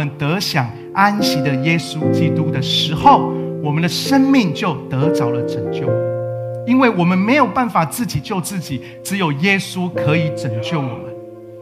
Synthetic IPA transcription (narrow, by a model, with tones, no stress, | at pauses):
ə˨nt̪ə˨˧˦ɕjɑ˨˩ŋ | a˦nɕi˧˨˥d̪ə˨jɛ˦˥su˦t͡ɕi˦t̪u˦d̪ə˨ʂɻ̩˧˥xo˥˨ʊwɔ˨˩mə˨nd̪ə˨ʂə˦nmi˥˧ŋt͡ɕjo˥˨˩ʊt̪ə˨˧˦t͡sɑ˧˥ʊlə˨ʈ͡ʂə˨˩ŋt͡ɕjo˥˨ʊ | i˦nwe˥˩ɪwɔ˨˩mə˨˦nme˧˥ɪjo˨˩ʊpa˥˩nfa˨˩t͡sɹ̩˥˩t͡ɕi˨˩t͡ɕjo˥˧ʊt͡sɹ̩˥˩t͡ɕi˨˩ | ʈ͡ʂɻ̩˧˦jo˨˩ʊjɛ˦su˦kʰɤ˧˦i˨˦ʈ͡ʂə˨˩ŋt͡ɕjo˥˩ʊwɔ̰˨˩mə˦n